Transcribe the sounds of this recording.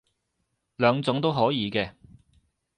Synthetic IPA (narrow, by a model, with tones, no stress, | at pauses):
lœː˨˧ŋt͡sʊ˨˥ŋt̪o˥wɦɔː˨˥jiː˨˧kɛː˧